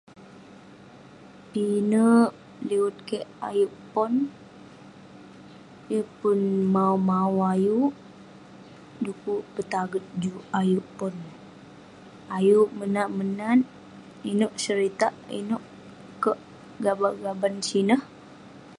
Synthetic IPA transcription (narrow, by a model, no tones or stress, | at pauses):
pinə | liwut̪̚kəʔa̰juʔpɔn | jəpunmaumawajuʔ | dukuʔpət̪aɡət̪̚d͡ʒuʔajuʔpɔn | ajuʔmənaʔmənan | inʊʔsəɾit̪aʔḭnʊʔ | kəʔ | ɡabaɡabansinəh